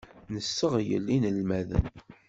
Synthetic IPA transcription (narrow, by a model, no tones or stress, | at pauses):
nəsːəʁjə̰lːinəlmæðə̰n